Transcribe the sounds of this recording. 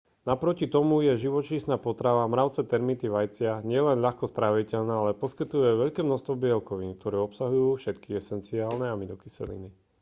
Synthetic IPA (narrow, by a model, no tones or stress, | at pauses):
napɾɔcit̪ɔmujɛʒiʋɔt͡ʃiːsnaːpɔt̪ɾaʋamɾaʊt͡sɛt̪ɛɾmit̪iʋajt͡sɪaɲɪɛlɛnʎaxkɔst̪ɾaʋicɛʎnaːalɛpɔskit̪ujɛʋɛʎkɛːmnɔst̪ʋɔbɪɛlkɔʋink̚t̪ɔɾɛːɔpsaɦujuːfʃɛt̪kiɛsɛnt͡siaːlnɛamilɔkisɛ̰lḭni